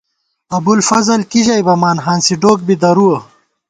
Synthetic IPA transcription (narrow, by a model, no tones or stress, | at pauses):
ɐbulfɐzɐlkiʑɐjbɐmaːnɦaːnsiɖoːk̚bid̪ɐɾuɐ